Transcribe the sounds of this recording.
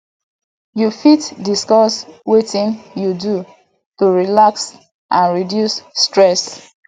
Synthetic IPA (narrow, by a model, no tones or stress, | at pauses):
jufitdiskɔswetĩnjudu | tuɹilaks | ʔãnɹidjusːtɹɛs